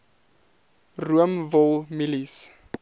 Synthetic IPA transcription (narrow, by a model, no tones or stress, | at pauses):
ruəmvɔlˠmilis